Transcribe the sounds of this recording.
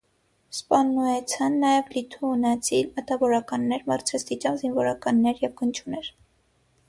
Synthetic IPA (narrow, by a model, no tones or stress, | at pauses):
spɑnːuɛt͡sʰɑnːɑjɛvlit̪ʰuːnɛt͡sʰilmət̪ɑvɔɾɑkɑnːɛɾmɑrt͡sʰɛst̪it͡ʃɑvzinvɔɾɑkɑnːɛɾjɛvɡənt͡ʃʰunɛɾ